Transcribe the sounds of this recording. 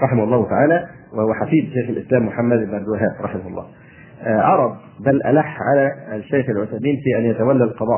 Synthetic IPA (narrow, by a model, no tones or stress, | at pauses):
ɾˤɑħɪmahʊlˤːɑːht̪aʕaːlæ | wɪhʊwːæħafiːd̪ʃeːxalʔɪ̰slæːmːʊħamːæd̪ʔɪbnʔabd̪ɪwaɦæːbɾˤɑħɪmahʊlˤːɑ̰ː | ʔɑɾˤɑd̪̚ˤ | bælʔæ̰laħːʕalæʃːejxalʕʊθamiːnfiːʔænjæt̪æwælːælqɑd̪ˤɑː